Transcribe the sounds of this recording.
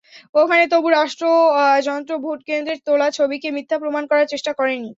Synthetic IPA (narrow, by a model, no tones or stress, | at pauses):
okʰanet̪obuɾaʃʈɾod͡ʑɔnt̪ɾobʱoʈkend̪ɾeɾt̪olat͡ɕʰobikemit̪ʰːapɾomankɔɾaɾt͡ɕeʃʈakɔɾenːi